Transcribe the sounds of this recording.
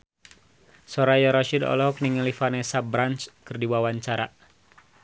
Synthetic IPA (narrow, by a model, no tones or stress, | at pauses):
sɔɾajɔɾɔʃidɔ̰lɔhɔk̚niŋəlifanɛsabɾanskɨrdiwawaɲt͡ʃaɾa̰